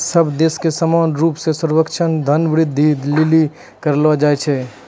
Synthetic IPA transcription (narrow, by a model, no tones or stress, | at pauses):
sɐbd̪eːskesəmaːnɾuːpsesəɾwəkʃʰənd̪ʱənbɾɪd̪ʱːid̪ʱlɪli | kəɾlʋad͡ʒaːet͡ʃʰɛ